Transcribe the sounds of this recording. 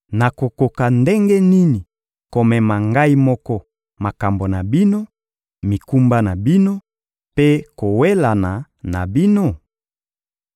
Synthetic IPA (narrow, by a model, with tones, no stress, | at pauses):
na˨ko˨ko˨ka˨nde˦ŋɡe˦ni˦ni˨ | ko˨mɛ˨ma˨ŋɡa˦i˦mɔ˦kɔ˦ | ma˨ka˨mbo˨na˨bi˦no˦ | mi˨ku˦mba˦na˨bi˦no˦ | pe˦ko˨we˦la˨na˨ | na˨bi˦no˦˨